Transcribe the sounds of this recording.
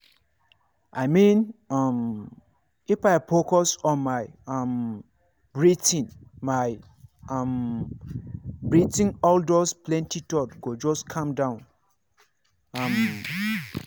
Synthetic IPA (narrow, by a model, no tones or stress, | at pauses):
aɪmĩnɔm | ifaɪfokɔsɔ̃nmaɪɔm | bɹitĩnmaj | am | bɹitĩnɔldɔsplɛ̃ntitɔtɡod͡ʒɔskʰãmdãʊ̃n | ɔm